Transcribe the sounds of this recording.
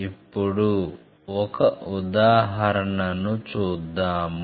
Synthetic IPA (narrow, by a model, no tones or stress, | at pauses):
ipːuɽu | ɔkɐud̪aːɦɐɾɐɳɐnut͡ʃuːd̪ːaːm